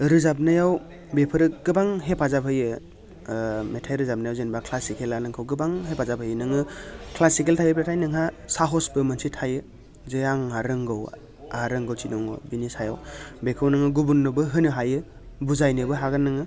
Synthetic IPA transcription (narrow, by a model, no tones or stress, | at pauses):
ɾɯzap̬̚nɯjaw | bepʰɯɾɯɡɯbaŋɦepʰazapʰɯjɯ | metʰajɾɯzap̚najawzenbakʰlasikʰelanɯŋkʰɯwɡɯbaŋɦepʰazapʰɯjɯnɯŋɯkʰlasikeltʰajɯpʰetʰajnɯŋɦasaɦɔsbɯmɯnsitʰajɯ | zɯjaŋaɾɯŋɡɯw | aɾɯŋɡɯwt͡ʃinɔŋɔ̰binisajawbekʰɯwnɯŋɯɡubunːɯbɯɦɯnɯɦajɯ | buzajnɯbɯɦaɡanːɯŋɯ